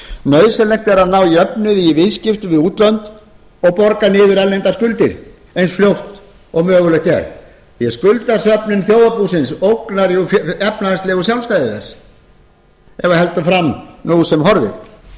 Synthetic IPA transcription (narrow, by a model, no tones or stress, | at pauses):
nœːɥsɛlɛxt̪ɛɾaðnawiœpnʏðivɪðscɪft̪ʏvɪðuːt̪lœnt̪ | ɔɣpɔɾkanɪːðʏɾɛllejnt̪askʏlt̪ɪɾ | ejnsfljowht̪ | ɔɣmœːɣʏlɛht̪ɛ̰ɾ | jɛskʏlt̪ḁsœpnɪnθjoːwðapusɪnsowknaɾjuɛpnaanst̪lɛːɣʏs̬jawlst̪ajðɪθɛsː | ɛvahɛlt̪ʏfɾamnusɛmɦɔɾvɪ̰ɾ